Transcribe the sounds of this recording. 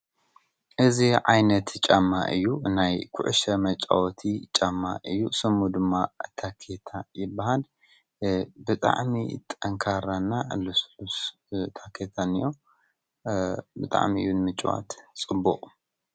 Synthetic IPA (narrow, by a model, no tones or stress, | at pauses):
ʔɨziʕajnɐt̪t͡ʃʼamːa̰ʔɨjːunajkʰʊʕʃɐmɐt͡ʃʼa̰wɔt̪ʰit͡ʃʼamːa̰ʔɨjːusɨmːud̪ɨmːat̪ʰakʰet̪ʰajɪbːahal | bɨt̪ʼa̰ʕmḭt̪ʼɐŋkʰaɾanːalusus | t̪ʰakʰet̪ʰanijo | bɨt̪ʼa̰ʕmiɨjunmɨt͡ʃʼwa̰t̪t͡sʼɨbːṵqʼ